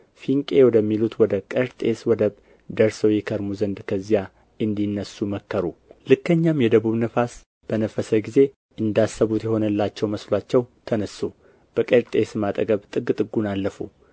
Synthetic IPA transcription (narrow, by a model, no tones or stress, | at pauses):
fiŋkʼe̞wɔd̪əmːilut̪wɔd̪əkʼəɾt̪ʼeswɔd̪əβ | d̪əɾsəwjɛkʰəɾmuzənd̪kʰəzija | ɨnd̪inːəsːuməkːəɾulɨkːəɲːamjɛd̪əβuβnəfas | b̥ənəfəsəɡize̞ | ʔɨnd̪asːəβut̪jɛho̞nəlːat͡ʃːɛwməslat͡ʃːɛwt̪ʰənəsːu | b̥əkʼəɾt̪ʼesmat̪ʼəɡəβt̪ʼɨɡt̪ʼɨɡunalːəfu